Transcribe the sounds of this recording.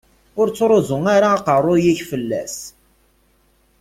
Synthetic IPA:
ʊɾt͡sːɾˤozʊŋaɾaːqərˤːʊjiçfəlːæ̰s

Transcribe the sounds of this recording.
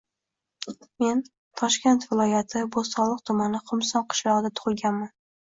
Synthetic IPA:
me̞n | t̪ʰɒʃkʲe̞nt̪vɪlˠɒjat̪ʰɪbozsɒlˠɨq̚t̪ʰʊmanɪqʰʊmsɒnqʰɨ̥ʃlˠɒʁɨd̪at̪ʰʊ̥ʁɨlˠɡʲanman

